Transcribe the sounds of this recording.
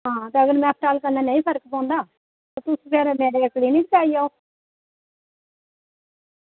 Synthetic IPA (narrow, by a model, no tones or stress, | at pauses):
ɦãːt̪eəɡəɾmɛ̃ːp̚ʰʈaːlkənːãːnãːĩːpʰəɾkpɔ̃ːnd̪aː | t̪oːt̪uspeːɾemeːɾeːkliːnit̪kaːijao